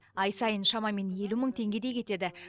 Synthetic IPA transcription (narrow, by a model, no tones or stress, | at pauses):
ɑjsɑjənʃɑmɑme̞nje̞luməɴt̪ʰe̞ŋɡʲe̞d̪e̞kʲʰe̞t̪e̞d̪ɪ